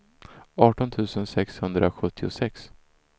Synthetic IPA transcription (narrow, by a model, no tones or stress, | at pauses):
ɑːʈɔnt̪ʰʉ̟ːsənsɛkshɵnd̪ɾʔaɧɵt̪ʰːɪʊ̰sɛks